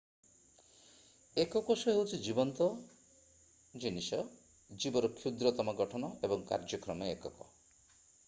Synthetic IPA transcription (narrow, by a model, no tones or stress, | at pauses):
ekɔkɔsɔɦewt͡ʃʰid͡ʒibɔnt̪ɔ | d͡ʒinisɔ | d͡ʒibɔɾɔkʰjud̪ɾɔt̪ɔmɔɡɔʈʰɔnɔebɔŋka̰ɾd͡ʒɔkɾɔmɔekɔkɔ